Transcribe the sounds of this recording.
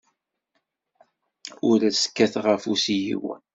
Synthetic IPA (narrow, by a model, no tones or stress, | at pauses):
ʊɾæsə̥kːæθʁəfusijḭwə̰